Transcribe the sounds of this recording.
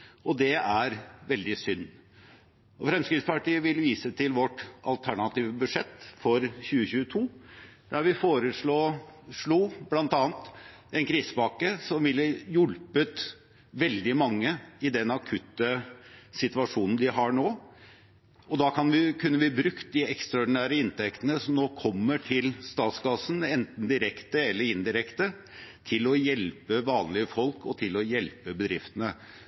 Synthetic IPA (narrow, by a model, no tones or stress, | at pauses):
ɔd̪ɛæɾʋɛld̪ɪsʏnː | ɔfɾɛmskɾɪːspɑʈiːəʋɪlʋiːsət̪ʰɪlʋɔʈɑ̰lt̪ʰæɳɑt̪iːʋəbʉdʂɛt̪ːfɔɾçʉːəçʉːət̪ʰuːd̪æɾʋɪfoːɾəʂɭoːʂɭuːblɑnt̪ɑːnt̪ | ɛnkʰɾiːsəbɑkəsɔmʋɪlːəjʊlpət̪ | ʋɛld̪ɪmɑŋːəɪd̪ɛnɑkʰʉt̪ːəsɪt̪ʋɑʂuːnn̩d̪ɪɦɑɳoː | ɔd̪ɑkʰɑnʋɪkʰʉnːəɾʋɪbɾʉkt̪̚d̪ɪɛkst̪ɾɑɔɖɪnæːɾəɪnt̪ʰɛkt̪ənəsɔmnoːkʰɔmːəʈʰɪlst̪ɑːt̪sɡɑːsənɛnt̪n̩d̪ɪɾɛkt̪əɛlːəɾɪnd̪ɪɾɛkt̪ə | t̪ʰɪlɔjɛlpəʋɑːnlɪəfɔlkɔt̪ʰɪlɔjɛlpəbəd̪ɾɪft̪ənə